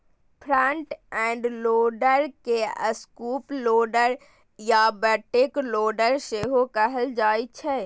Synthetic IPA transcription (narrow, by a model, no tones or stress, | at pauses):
pʰɾəɳʈɛ̃ɳɖloːɖəɾkeə̰skuːploːɖəɾ | jabəʈːekloːɖəɾseɦokəɦəld͡ʒaːt͡ʃʰɛ